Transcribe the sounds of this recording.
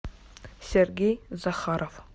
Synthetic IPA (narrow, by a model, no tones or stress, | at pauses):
sʲeɾɡʲejzaχɑɾof